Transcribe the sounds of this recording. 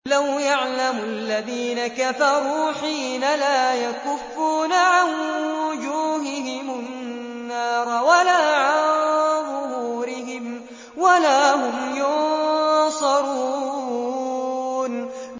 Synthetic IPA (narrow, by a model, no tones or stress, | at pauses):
lawjaʕlamʊʔalːaðiːnakafɑɾˤuːħiːnalaːjakʊfːuːnaʕanwʊd͡ʒuːɦɪɦɪmʊnː | ɑːɾˤwalaːʕanɣʊhuːɾɪɦɪm | walaːhʊmjʊn | sˤɑɾˤuː | n